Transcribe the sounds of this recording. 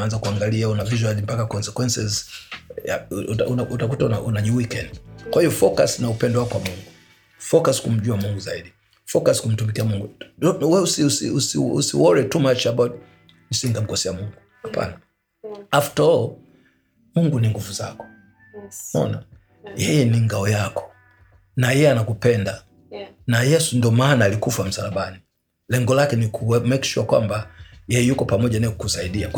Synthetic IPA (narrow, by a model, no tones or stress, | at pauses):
anzakuaŋɡaliaunaviʒwalimpakakɔnsɛkwɛnsɛz | a̰aunautak̬utaunaunaʄuwikɛndkwahiɔfɔkasnaupɛndwakwamuŋɡu | fɔkaskum̩ʄuamuŋɡuzaiɗi | fɔkaskum̩tumikiamuŋɡuwɛusiusḭusiṵsḭwɔɹitumat͡ʃabat | nisiŋɡam̩kɔsɛamuŋɡuhapʰa̰na | aftɔ | muŋɡuniŋɡuvuzakɔ̥ | mɔ̰na̰ | jɛjɛniŋɡaɔjakɔ̥ | najɛjɛanakupɛnda | najɛsundɔmaːnaːlikufam̩salaɓani | lɛŋɡɔlakɛnikʰumɛki̥ʃuakwa̰mbajɛjɛjukɔpamɔʄanaɛkukusaiɗia